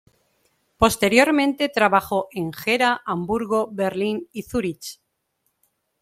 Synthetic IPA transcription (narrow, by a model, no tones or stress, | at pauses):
po̞st̪e̞ɾjo̞ɾmẽ̞nt̪e̞t̪ɾaβaxo̞ʔe̞ŋxe̞ɾaʔambuɾɣo̞be̞ɾliniθuɾit͡ʃ